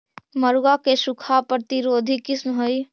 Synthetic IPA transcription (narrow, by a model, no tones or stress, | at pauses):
məɾuɡakesukʰapɾət̪iɾod̪ʱikismɦoj